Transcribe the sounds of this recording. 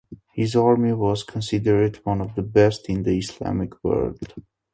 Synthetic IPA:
hizɑɹmiwɔz̥kʰə̃nsidəɹdwʌ̃nɔvðəbɛstɪ̃nd̪əɪslæ̰mɪkʰwɜ̰ɹld̥

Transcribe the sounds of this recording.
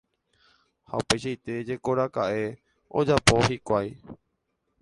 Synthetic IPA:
ha̰upe̞jʃajt̪e̞d͡ʒe̞ko̞ɾakaʔe̞ | o̰d͡ʒapo̞ɦikʷaj

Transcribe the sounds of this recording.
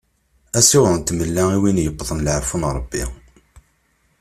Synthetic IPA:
æsiwðənt̪məlːæiwinjəbːðˤənlʕəɾfunɾˤəbːi

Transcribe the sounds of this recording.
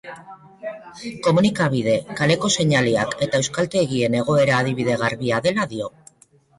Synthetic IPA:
ko̞munikaβ̞iðe̞kale̞ko̞se̞ɲaliake̞t̪ae̞wskalt̪e̞ɣie̞ne̞ɣ̞o̞e̞ɾaːðiβ̞iðe̞ɣ̞aɾβiaðe̞laðio̞

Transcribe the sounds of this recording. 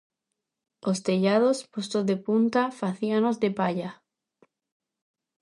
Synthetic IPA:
ost̪eʎaðospost̪ozðepunt̪afaθianozðepaʎa

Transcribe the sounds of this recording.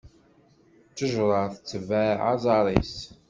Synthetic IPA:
t͡sːəʒɾˤəθt͡sːəvæʕɑ̰zˤɑɾˤḭs

